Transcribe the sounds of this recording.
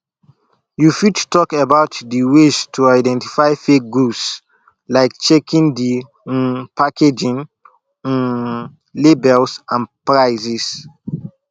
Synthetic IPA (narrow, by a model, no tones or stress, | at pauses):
jufidtɔkəbaʊtdiwestʰuaɪdɛ̃nti̥faɪfek̚ɡus | laɪkt͡ʃekʰĩndĩ | pakʰed͡ʒĩn | n | lebɛlsãnpɹaɪzis